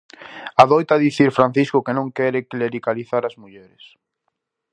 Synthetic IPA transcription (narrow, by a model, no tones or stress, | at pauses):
aðɔjt̪aðiθiɾfɾan̟θiskʊkenõŋkɛɾɪkleɾikaliθaɾazmuʎɛɾɪs